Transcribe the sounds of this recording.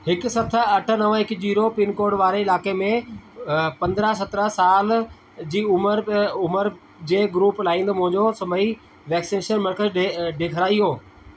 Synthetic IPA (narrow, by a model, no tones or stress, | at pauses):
hɪksɐt̪ʰəɐʈʰə̆nɐʋə̃ɦɪkd͡ʑiːɾopɪnkoːɾɖʋaːɾeɪlaːkemẽ | pɐ̃nd̪ɾəɦsɐt̪ɾəsaːl | d͡ʑiːʊməɾʊməɾ | d͡ʑeːɡɾuːplaːĩːnd̪mʊ̃ɦɪ̃ɲd͡ʑosɐməi | ʋɛːksineːʃənməɾkəɖeɖeːkʰəɾaːiɦoː